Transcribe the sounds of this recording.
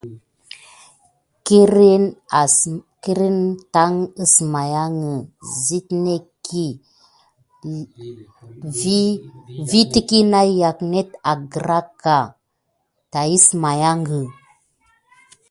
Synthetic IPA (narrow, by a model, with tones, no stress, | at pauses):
ki˦ɾi˦n˨ | ki˦ɾi˦nta˦ŋi˦sma˨ja˦ŋə˨zi˦tne˦kʰi˦ | vi˦ti˦ki˦na˦ja˨kne˦ta˨ɡə˨ɾa˦kːa˨ | ta˨ji˦sma˨ja˦ŋɡə˨